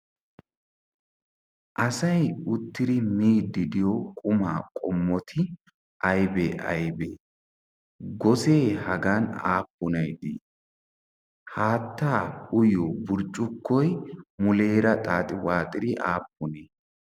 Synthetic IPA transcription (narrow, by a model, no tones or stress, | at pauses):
ʔɐsɐjʊt̪ːɪɾɪmiːd̪ːɪd̪ɪjokʼʊmaːkʼɔmːɔt̪ʰɪ | ʔɐjbeːʔɐ̰jbeː | ɡɔseːhɐɡana̰ːpːʊnɐjd̪ḭ | haːt̪ːaːʊjobʊɾt͡ʃʼʊkʰːɔjmʊle̞ːɾɐt̪ʼaːt̪ʼɪwaːt̪ʼɪɾɪʔaːpːʊne